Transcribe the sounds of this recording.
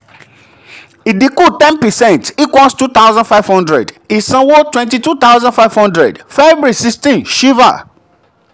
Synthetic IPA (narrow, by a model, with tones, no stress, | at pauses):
i˨di˨ku˦tɛ̃˦npɛ˨sɛ̃nti˦kwɔ̃˦nstu˦t̪awzãnfa˦ɪvhɔ̃˦ndɹɛ̰di˨sã˨wo˦twɛ̃ntitu˦t̪a˦wzãnfajvhɔ̃ndɹɛ̰˨dfɛbɹi˨sikstĩnʃi˦va̰˨